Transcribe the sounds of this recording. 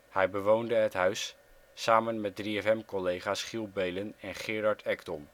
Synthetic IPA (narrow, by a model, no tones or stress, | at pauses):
hɛjbəʋowndəɦətɦœɥsː | aːmənmɛt̚driɛfɛmkɔlejχaːsχilˠbejlənɛnχɪːrɑɹtʰɛkdɔn